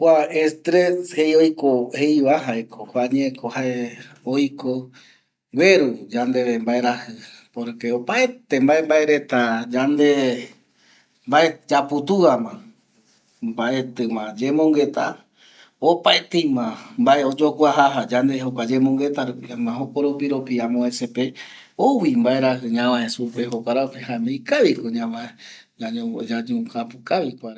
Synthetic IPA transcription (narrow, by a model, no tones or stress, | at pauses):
kʷaest̪ɾeshejojkohejβaɦaekʰohaɲeekʰohae | ojko | we̞ɾud͡ʒand̪e̞βembae̞ɾahɨ | poɾkeopaet̪embae̞mbae̞ɾe̞t̪ad͡ʒand̪e̞ | mbae̞d͡ʒaput̪uamã | mbaʔe̞t̪ɨmãd͡ʒe̞mõŋɡe̞t̪a̰ | opaet̪ejmãmbaʔeod͡ʒokʷwaɦaɦad͡ʒand̪eɦokʷad͡ʒe̞mõŋɡe̞t̪aɾupiamãɦokoɾopiɾopiamõesepe | owimbaeɾahɨɲãwaesupeɦokʷaɾaokeɦãmẽjkaβikoɲãma | ad͡ʒaɲũkapukaβikʷaɾ